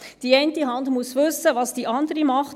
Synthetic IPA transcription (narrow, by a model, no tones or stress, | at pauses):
d̥iɛɪntiɦɑndmuəsʋʏsəvɑːsd̥iʔɑndəɾimɑχt